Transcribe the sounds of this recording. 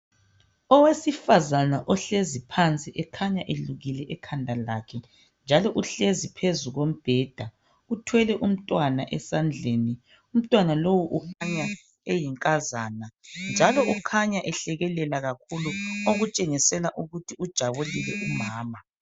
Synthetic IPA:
ɔwesifazanaʔɔɬezipʰant͡sʼiʔɛkʰaɲaʔeluɣilɛʔɛkʰandʱalakʰɛ | nd͡ʒʱalɔʔuɬezipʰezuɣom̩b̥ʱɛːd̥ʱa | utʰwɛlɛʔum̩tʼwanaʔɛsand͡ɮʱeːni | um̩tʼwanalowuʔukʰaɲa | ejiŋkʼazaːnand͡ʒʱalɔʔukʰaɲaʔɛɬɛɣɛlɛlaɣakʰuluoɣut͡ʃʼeŋisɛlaʔuɣutʰiud̥ʒ̥ʱaβulilɛʔumaːma

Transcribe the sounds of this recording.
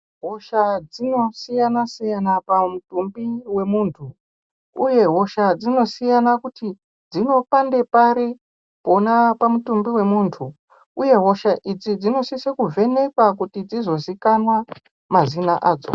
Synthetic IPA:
ɦo̞ʃad͡zino̞sijanasijanapamutumbiwe̞muːntʰu | ṵje̞ɦo̞ʃad͡zino̞sijanakuti | d͡zino̞pande̞paɾi | po̞napamutumbiwe̞muːntʰu | uje̞ɦo̞ʃaʔid͡zid͡zino̞sisekuvʱe̞ne̞kwakutid͡zizo̞zikanwa | mazinaʔaːd͡zo̞̰

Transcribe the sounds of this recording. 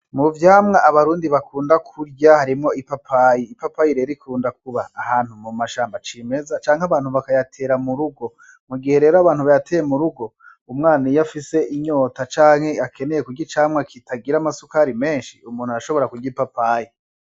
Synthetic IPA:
muvjaːmŋaʔːβaɾuːndiβakʰuːndakʰuɾɟahaɾimŋo̞ipapʰajiːpapajiɾeɾikʰuːndak̚uβaːhaːn̥humumaʃaːmbat͡ʃime̞zat͡ʃaːŋhaβaːn̥huβakajatʰe̞ːɾamuɾuɡo̞ | muɡihe̞ɾe̞ːɾoaβaːnhuβajatʰejemuɾuɡo̞ | umŋaːnijafise̞ʔiɲo̞ːtat͡ʃaːŋhe̞ake̞ne̞je̞kuɡɟit͡ʃaːmŋakʰitʰaɡiɾamasukaɾime̞ːnʃiumuːnhuaɾaʃo̞βo̞ɾakuɾɟipapaːji

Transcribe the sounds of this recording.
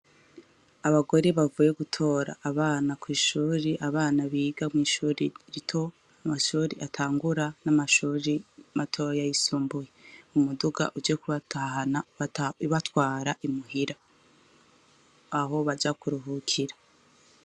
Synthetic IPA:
aβaɡo̞ɾeβavuːjeɡutʰo̞ːɾa̰ʔːβaːnakwiːʃuːɾiʔaβaːnaβiːɡamŋiːʃuːɾiɾitʰo̞ | amaʃuːɾiʔatʰaːŋɡuɾanamaʃuːɾimatʰo̞ːɾjajisuːmbujeumuduɡa̰ʔud͡ʒekaanaβatwaːɾaʔimuɦiɾa | ɦo̞βad͡ʒakuɾuɦukʰiɾa

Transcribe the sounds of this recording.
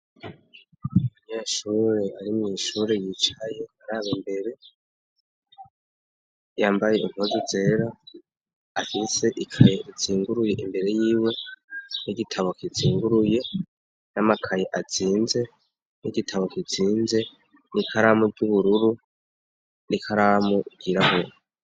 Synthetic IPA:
uɲeʃuːɾe̞aɾimŋiːʃuːɾe̞jiːt͡ʃaje̞aɾaːβimbe̞ɾe̞ | jaːmbaje̞iŋ̥hozuze̞ːɾa | afise̞ʔikʰajeʔiziːŋɡuɾuje̞ʔimbe̞ɾe̞jiːwe̞niɡitʰaβo̞kiziːŋɡuɾuje̞ | namakʰajeʔat͡siːnze̞ | niɡitʰaβo̞kit͡siːnze̞ | nikʰaɾamuɡɟuβuɾuɾu | nikʰaɾamuʔiɡ̥iɾahuɾo

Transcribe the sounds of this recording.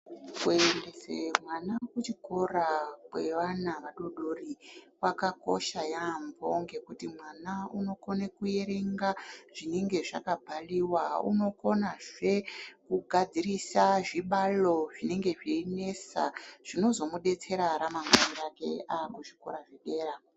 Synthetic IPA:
kuendesemwanakut͡ʃiko̞rakwe̞ʋanaʋaɗo̞ɗorikwakako̞̰ʃajambo̞̰ŋɡe̞kutimwanauno̞ko̞nekuje̞ɾe̞ŋɡaʐ̥ine̞ŋɡe̞ʐa̰kabʱaliwaṵno̞ko̞naʐe̞kuɡʱad͡zirisaʐiɓalo̞ʐine̞ŋɡe̞ʐine̞sa̰ʐ̥ino̞zo̞muɗe̞t͡se̞ɾaɾamaŋandake̞̰akuʐi̥ko̰ɾaʐeɗe̞ːɾa

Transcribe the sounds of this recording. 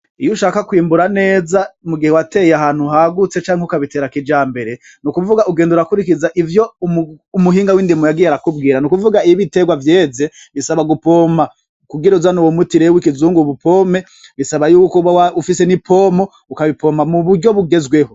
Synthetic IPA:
ijuʃaːkakwiːmbuɾane̞ːzamuɡihewate̞jaɦaːn̥huɦaɡut͡se̞t͡ʃaːŋeukaβite̞ːɾakid͡ʒaːmbe̞ɾe̞ | nukuvuɡaʔuɡe̞ːnduɾakuɾikizaʔivjo̞umuɦiːŋɡawindimujaɡijeaɾakub̚ɡiːɾanukuvuɡaiiβite̞ɡwavjeːze̞ | βisaβaɡupo̞ma | kuɡiɾauzanowomutiɾewikizuːŋɡuβupʰo̞me̞ | βisaβajuːkoβawaufisenipʰo̞mo̞ | ukaβipʰo̞mamuβuɾɟo̞βuɡe̞zɡwe̞ho

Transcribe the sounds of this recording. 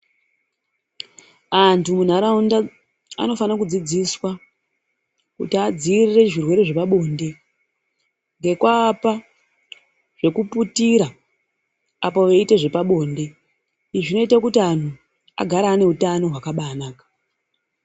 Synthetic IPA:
antʰumun̤aɾaunda | a̰no̞fanakud͡zid͡ziswa | kṵtiad͡zirire̞ʐirwe̞ɾe̞ʐe̞paɓo̞nde̞ | ŋɡe̞kwaːpa | ʐ̥e̞kuputiɾa | apo̞ʋeite̞ʐe̞paɓo̞ːnde̞ | iʐino̞itakutian̤u | a̰ɡʱaɾaːne̞ɦutano̞ɦwakaɓanaːkḁ

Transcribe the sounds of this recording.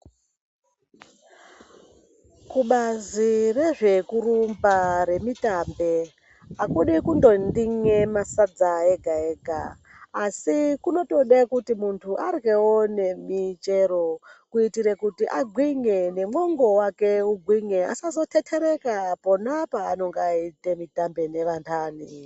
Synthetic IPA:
kuɓazire̞ʐe̞kurumbaɾe̞mitambe̞ | akuɗikundo̞ndiŋe̞masad͡zaeɡʱae̞ːɡʱa̰ː | sikuno̞to̞ɗekutimuntʰuʔarɡe̞wone̞mit͡ʃeɾo̞kuitiɾekutiʔaɡʱwiŋene̞moŋɡo̞wake̞uɡʱwiŋea̰sazo̞tʰetʰeɾe̞kapo̞napaːno̞ŋɡaitemitambe̞ne̞ʋantʰaːni

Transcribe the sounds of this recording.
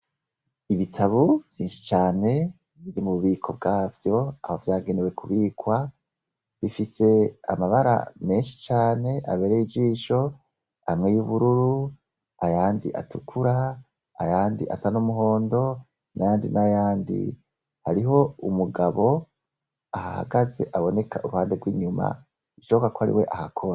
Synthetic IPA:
iβitʰaβuvjiːnʃi̥t͡ʃaːne̞ | βiɾimuβuβiːkʰo̞bɡaːvjo̞aho̞vjaːɡe̞newe̞kʰuβiːkwa | βifise̞a̰maβaɾa̰me̞ːnʃi̥t͡ʃaːne̞ʔa̰βe̞ɾeid͡ʒiːʃo̞ | amŋe̞juβuɾuɾu | ajaːndiʔatukʰuɾa | a̰jaːndiʔasanumuɦo̞ːndo̞ | najaːndinajaːndḭ | haɾiɦo̞umuɡaβo̞ | ahaa̰ɡaze̞̰ʔaβo̞ne̞kʰaʔuɾuhaːndeɡwiːɲuma̰ | iʃokakohaɾḭwe̞̰ʔahakʰoɾa

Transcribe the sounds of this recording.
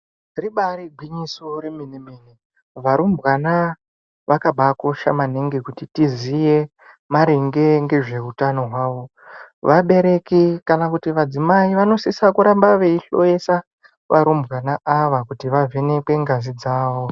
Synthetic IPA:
riɓaɾiɡʱwiɲisoɾeminimini | ʋaɾumbɣana | ʋakaɓakoʃa̰maneŋɡekutitizije̞ | maɾeŋɡe̞ŋɡe̞ʐe̞utano̞ɦwaːʋo̞ | ʋaɓe̞ɾe̞kikanakutiʋad͡zimaiʋano̞sisakuɾambaʋe̞iɬo̞̰je̞sa | ʋʔaɾumbɣanaʔaʋakutiʋave̞ne̞kwe̞ŋɡazid͡zaːʋo

